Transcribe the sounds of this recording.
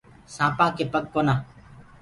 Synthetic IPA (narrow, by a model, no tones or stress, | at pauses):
sãːpãːkeːpəɠ̚koːnãː